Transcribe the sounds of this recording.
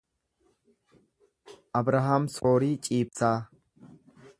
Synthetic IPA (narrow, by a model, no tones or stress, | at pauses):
ʔɐbɾaɦɐmsoːɾiːt͡ʃʼiːb̚t͡saː